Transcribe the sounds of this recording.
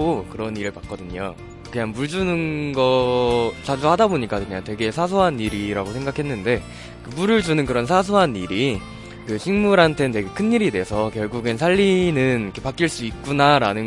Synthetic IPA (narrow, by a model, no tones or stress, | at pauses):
okɯɾʌniɾɯɭpak͈ʌdɯɲo̰ | kɯɲaŋmuɭd͡ʑunɯnɡʌt͡ɕ͈ad͡ʑuhadaboɲik͈akɯɲaŋtwe̞ɡe̞sʰas̬ʰoɦanːiɾiɾaɡosʰe̞ŋɡakʰe̞nːɯnde̞ | kɯmuɾɯɭd͡ʑunɯnkɯɾʌns̬ʰas̬ʰoɦanːiɾi | kɯɕʰiŋmuɾɦantʰe̞twe̞ɡe̞kʰɯnːiɾide̞sʰʌkjʌɭɡuɡɯns̬ʰaʎːinɯnikʰepak͈iɭs͈uit̚k͈unaɾanɯ